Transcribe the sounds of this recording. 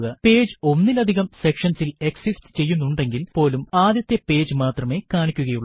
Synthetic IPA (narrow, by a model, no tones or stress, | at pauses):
ɣɐpe̞ːd͡ʑɨo̞nːilɐd̪ʱiɣɐmse̞kʂɐnsileksisʈɨ̥t͡ɕe̞jːunːuɳɖe̞ŋɡilpo̞ːlumaːd̪jɐt̪ːe̞pe̞ːd͡ʑɨmaːt̪rɐme̞kaːɳikʲːuɣɐjuɭː